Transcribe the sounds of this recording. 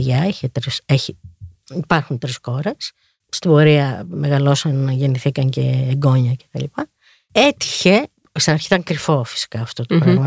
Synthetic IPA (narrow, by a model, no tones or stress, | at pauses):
ʝɐeçet̪ɾiseçi | ipɐɾxunt̪ɾisxo̞ɾe̞sː | t̪ibo̞ɾiɐme̞ɣɐlo̞sɐnɐʝe̞niθikɐɲce̞ːɡo̞ɲɐce̞̥t̪ɐlipɐ | et̪i̥çe̞ | st̪inɐɾçit̪ɐŋkɾifo̞fi̥si̥kɐːft̪ot̪opɾɐɣmɐ